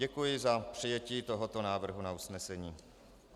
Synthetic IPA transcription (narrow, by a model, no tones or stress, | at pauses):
ɛkujɪzapr̝̥ɪjɛciːt̪o̞ɦo̞t̪o̞naːvr̩ɦunausnɛsɛɲiː